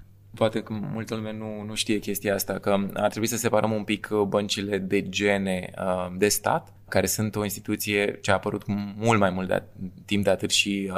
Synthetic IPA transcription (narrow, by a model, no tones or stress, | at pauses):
poat̪e̞kəmult̪əlumanunuʃt̪ije̞kʲe̞st̪ijaast̪akəa̰rt̪ɾebuisəse̞paɾʔəmumpikʰbənt͡ʃile̞d̪e̞d͡ʒe̞ne̞d̪e̞st̪a̰t̪ | kaɾe̞sunt̪o̞inst̪i̥t̪ut̪sije̞t͡ʃeaːpəɾut̪mult̪majmult̪d̪a̰t̪ːimp̚d̪eat̪ɨt̪ʃi